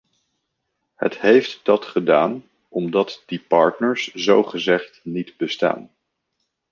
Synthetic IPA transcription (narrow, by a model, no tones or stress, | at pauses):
hə̰tɦejftd̥ɑtχədaːn | ɔmdɑtd̥ipɑɹtnəɹszowχəzɛχtnitbəsta̰ːn